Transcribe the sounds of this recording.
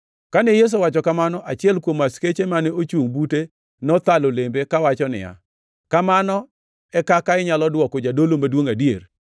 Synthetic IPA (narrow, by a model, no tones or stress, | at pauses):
kanɛjes̬owat͡ʃɔkamanɔʔat͡ʃɪɛlkwomasket͡ʃemanɛot͡ʃuŋbute | nɔt̪alolembekawat͡ʃɔnɪ̰ja̰ | kamanɔ | ɛkakaɪɲalɔdwɔkod͡ʒadolomadwoŋadjer